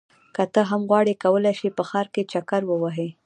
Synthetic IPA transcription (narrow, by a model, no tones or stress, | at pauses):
kat̪əɦamɣwɑɽekawəlajʃipəxɑɾket͡ʃakaɾwəwaɦe